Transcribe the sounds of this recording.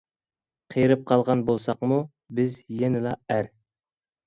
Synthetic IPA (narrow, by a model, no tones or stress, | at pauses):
qʰejɾɨp̚qʰɑlˠʁɑnbolˠsɑqmu | bɪzjɛnɪlˠɑæɾ